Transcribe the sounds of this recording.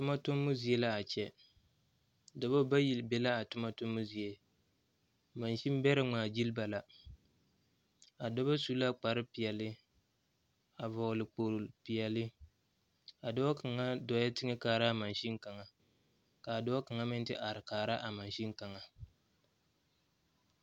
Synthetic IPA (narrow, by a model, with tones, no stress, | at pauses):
tʊ˦ma˦tʊ˦mːʊ˦zi˨e˦la˦a˨t͡ʃɛ˦ | dɔ˨ba˦ba˦ji˨lbe˦la˦a˨tʊ˦ma˦tʊ˦mːʊ˦zi˨e˦ | ma˨nʃi˦m˦bɛ˦ɾɪ˦ŋ͡maː˨d͡ʒi˦lba˨la˨ | a˨dɔ˦ba˦su˦la˦k͡pa˨ɾɨ˦pi˨jɛ˨lɪ˦ | a˨vɔ˨ɣlɪ˨k͡poː˨ɾpi˨jɛ˨lɪ˦ | a˨dɔ˦a˦ka˨ŋa˦dɔ˨ja˦tɪ˦ŋɪ˦kaː˨ɾa˦ma˨nʃi˦n˦ka˨ŋa˨ | ka˨a˨dɔ˦a˦ka˨ŋa˦mɪ˦n˦tɪ˦ʔa˨ɾɪ˨kaː˨ɾa˦ʔa˨ma˨nʃi˦ŋka˨ŋa˨